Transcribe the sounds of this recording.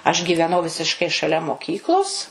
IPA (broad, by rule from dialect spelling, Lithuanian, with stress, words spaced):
ɐʃ ɡʲiːʋʲɛˈnɐʊ ʋʲɪsʲɪʃˈkɐɪ ʃɐˈlʲɛ moːˈkʲiːklˠoːs